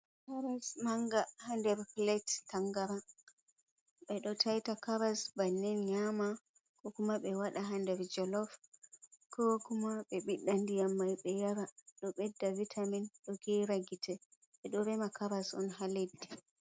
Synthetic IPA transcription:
kaɾasmaŋɡahandɛɾplɛtːaŋɡaɾa | ɓɛɗɔtʰajtakaɾasbanːɛnɲama | kɔkumaɓɛwaɗaɦandɛɾd͡ʒɔlɔf | kʰɔkumaɓɛɓiɗːandijamːajɓɛjaɾaɗɔɓɛdːavitʰaminɗɔɡɛɾaɡitʰɛ | ɓɛɗɔɾɛmakaɾasɔ̰nɦaledːi̥

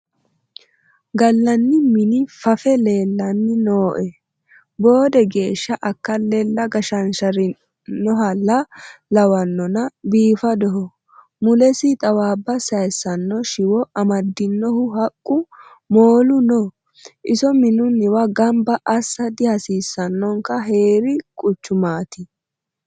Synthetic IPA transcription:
ɡɐlːɐnːɪmɪnɪfɐfɛleːlːɐnːɪnoːʔɛ | bo̞ːd̪ɛɡe̞ːʃːɐʔɐkːɐlɛlːɐɡɐʃɐnʃɐɾɪ | nːɔɦɐlːɐlɐwɐnːɔnɐbiːfɐd̪ɔɦɔ | mʊlɛsɪt̪ʼɐwaːbːɐsɐjsːɐnːɔʃɪwɔɐmɐd̪ːɪnːɔhʊhɐkʼːʊ | moːlʊnɔ | ʔɪsɔmɪnʊnːɪwɐɡɐmbɐʔɐsːɐd̪ɪhɐsiːsːɐnːɔŋkɐɦe̞ːɾɪkʼʊt͡ʃːʊmaːt̪ɪ

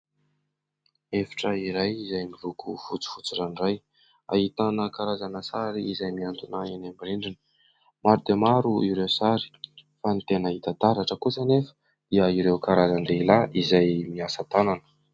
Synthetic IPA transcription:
efḁʈ͡ʂəiɾajizajmilukufut͡si̥fut͡siraniraj | a̰ɦit̪anəkaɾazanəsaɾiizajmiant̪unaenambiɾiɳɖ͡ʐini̥ | maɾud̪emaɾuiɾewsaɾi̥fanit̪enəit̪at̪aɾaʈ͡ʂəkusənefə̥ | d̪̥iəiɾewkaɾazand̪eilaʔizajmiasat̪ananə̥

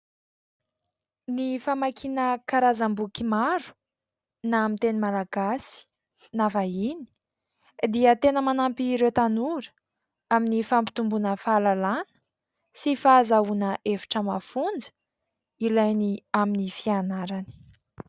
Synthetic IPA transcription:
nifamakʰinəkaɾazambukimaɾu̥ | namint̪enimalaɡasi̥ | navaini̥ | d̪iət̪enəmanampiɾewt̪anuɾə̥ | aminifampi̥t̪umbunəfalalanə̥ | sifaːzaunəʔevi̥ʈ͡ʂəmafund͡zə̥ | ilajniaminifianaɾani̥

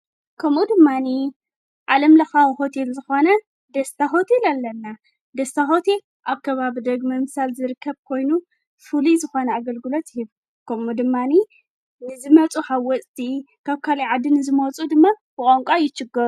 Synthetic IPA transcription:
kʰɐmud̪ɨmːani | ʔalɐmlɐxawho̞t̪ʰelzɨxo̞nɐ | d̪ɐst̪ʰaɦo̞t̪ʰelalːɐnːa | d̪ɐst̪ʰaɦo̞t̪ʰel | ʔaβkʰɐβaβid̪ɐɡmɐmɨsalzɨɾɨkʰːɐβkʰo̞jnu | fulizɨxo̞nɐaɡɐlɡɨlo̞t̪ɪhiβ | kʰɐmud̪ɨmːani | nɨzɨmɐt͡sʼuħawːɔt͡sʼt̪ʰi | kʰaβkʰaliʕad̪ːinɨzɨmot͡sʼud̪ɨmːabɨkʼoŋkʼajɪt͡ʃːɪɡɐɾu

